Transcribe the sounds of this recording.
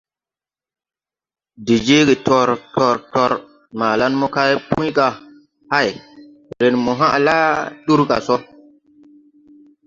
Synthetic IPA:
de˨d͡ʒe˦ɡe˨tɔ˨ɾtɔ˨ɾtɔ˨ɾ | maː˨la˦nmɔ˦ka˦jpũ˦jka˨ | ha˦˨j | ɾe˨nmɔ˨ɦa̰˦ʔla˦ɗu˦ɾka̰˨sɔ˦

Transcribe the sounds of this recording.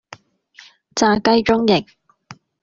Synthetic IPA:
t͡saː˧kɐ˥jt͡ʃʊ˥ŋjɪ˨˩k̚

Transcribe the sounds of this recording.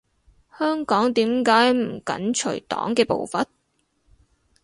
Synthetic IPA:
hœː˥ŋkɔː˨˥ŋt̪iː˨˥mkaː˨˥jm̩˨˩kɐ̰˨˥nt͡ʃʰɵ˨˩ɥt̪ɔ̰ː˨˥ŋkɛː˧po̰˨wfɐ˨t̚

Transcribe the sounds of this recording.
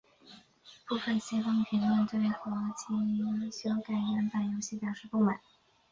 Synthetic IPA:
pu˥˩fə˧˩nɕjɛ˥fɤ˥ŋpʰi˧˥nlɛ˥˧nt̪we˥˩ɪxɤ˧˥˧t͡ɕʰi˧˥˧ɕy˥jɑ˥˩ʊka˨˩ɪnɛ˧˥npa˨˩njo˧˥ʊɕi˥˩pjɑ˨˩ʊʂɻ̩˥˧pu˥˩ma̰˨˩˦n

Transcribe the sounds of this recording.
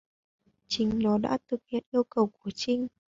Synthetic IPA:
t͡ɕï˨˦ŋ̟nɔ˨˦ɗa̰ː˧˥t̪ɨ˨˩k̚hḭ˧˨ənʔi˧əwkə˨˩wku˧˩ət͡ɕï˧ŋ̟

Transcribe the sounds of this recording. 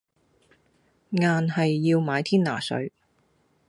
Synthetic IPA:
ŋaː˨nhɐ˨jːiː˧wmaː˨˧jt̪ʰiː˥nna̰ː˨˩sɵ̰˨˥ɥ

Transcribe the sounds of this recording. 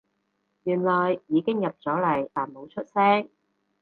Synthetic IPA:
jyː˨˩nlɔː˨˩jːiː˨˧kɪ˥ŋjɐ˨˩p̚t͡sɔː˨˥lɐ˨˩jʔaː˨˩nmo˨˧wt͡ʃʰɵ˥t̚sɛː˥ŋ

